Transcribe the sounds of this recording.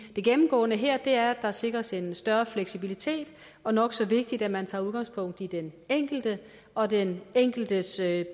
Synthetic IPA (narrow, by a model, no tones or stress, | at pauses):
d̥e̝ɡ̥emm̩ɡ̥ɔ̰̽ːnəɦɛɐ̰d̥e̝æɐd̥ɑ̈se̝ɡ̥ʁɐse̝nsd̥ɶɐfleɡ̥sibilit͡sʰe̝̰ːd̥ | ɒ̽nɒ̽ɡ̥sɒ̽ʋe̝ɡ̥̚d̥id̥æmænt͡sʰɑ̈ːuðˠɡ̥ɑ̈ŋspʰɔ̽ŋ̰d̥id̥eneŋ̰ɡ̥l̩d̥ə | ɒ̽deneŋ̰ɡ̥l̩d̥əs